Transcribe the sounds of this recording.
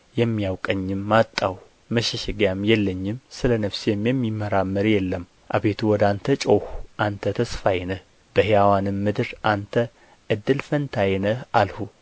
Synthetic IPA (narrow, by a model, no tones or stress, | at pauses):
jɛmːijawkʼəɲːɪmːat̪ʼːaw | məʃɛʃɛɡjamjɛlːəɲːɪmsɨlənəfsjɛmːjɛmːimːəɾamːəɾjɛlːəm | ʔabe̞t̪ʰuwɔd̪ant̪ʰət͡ʃʼohuʔant̪ʰət̪ʰəsfajnəh | b̥əhjawanɨmːɨd̪ɨɾʔant̪ʰə | ʔɨd̪ːɨlfənt̪ʰajnəhalhu